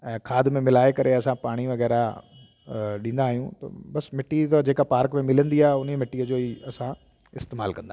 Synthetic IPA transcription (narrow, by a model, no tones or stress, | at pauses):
ɛ̃ːkʰaːd̪mẽmɪlaːekɐɾeɐsãpaːɽ̃iʋɐɣɛːɾa | ɗĩːn̆d̪aːɦijũt̪ɐ̰bɐsmɪʈːit̪ɐd͡ʑeːkapaːɾkmẽmɪlə̃nd̪iaːɦeʊnimɪʈːiəd͡ʑoːiɐsã | ɪst̪eːmaːlkɐ̃nd̪a